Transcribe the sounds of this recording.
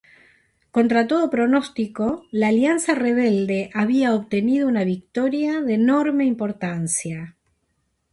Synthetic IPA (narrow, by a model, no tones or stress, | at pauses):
ko̞nt̪ɾat̪̬o̞ð̞o̞pɾo̞nost̪iko̞laːljansareβ̞eld̪e̞ʔaβiaoβt̪e̞nið̞o̞unaβik̚t̪o̞ɾjaðeno̞ɾme̞impo̞ɾt̪ansja